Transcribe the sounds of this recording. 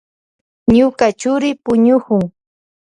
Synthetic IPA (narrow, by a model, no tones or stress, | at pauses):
ɲʊkat͡ʃʊɾɪpʊɲʊkʊŋ